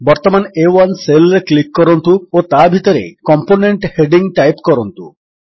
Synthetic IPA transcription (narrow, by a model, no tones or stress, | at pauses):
bɔɾt̪ɔmanewanselɾeklikːɔɾɔnt̪uot̪abʱit̪ɔɾḛkɔmponeɳʈheɖiŋʈajpkɔɾɔnt̪ṵ